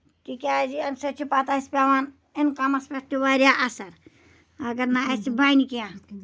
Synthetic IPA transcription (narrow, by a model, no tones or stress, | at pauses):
kikʲaːd͡ʒiɐnsɐt͡ʃʰupaːt̪aːispʲaːʋaːn | inkamɐspʲat̪ːiʋaːɾʲjaʔɐsɐɾ | ɐɡɐɾnaɐsibʱaːjnikijãː